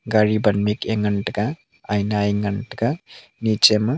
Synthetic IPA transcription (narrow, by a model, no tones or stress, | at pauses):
ɡaɾibɐnmikeŋɡɐɳʈɡa | ɐjnaeŋɡɐɳʈɡa | nit͡ʃem